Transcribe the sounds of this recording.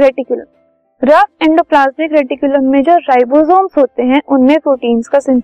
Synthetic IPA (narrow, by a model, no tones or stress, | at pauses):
ɾeʈɪkjʊlə̰m | ɾɐɪ̃ɳɖoplaːsmɪkɾeːʈɪkjʊləmːẽd͡ʒoːɾaːɪbozoːnsɦoːt̪eɦɛ̃ʔʊnmẽpɾoːʈiːnskasɪ̃n